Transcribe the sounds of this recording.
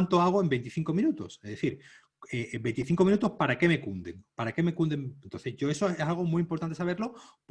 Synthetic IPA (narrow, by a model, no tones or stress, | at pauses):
nt̪o̞aɣ̞oe̞mbe̞nt̪iθiŋko̞mĩnut̪o̰sezðeθiɾ | ebe̞nt̪iθiŋko̞minut̪ospaɾake̞me̞kund̪eŋpaɾake̞me̞kund̪eŋent̪o̞nθe̞zʝo̞esoesalɣ̞o̞mwiimpoɾt̪ant̪esaβe̞ɾlo̞ | p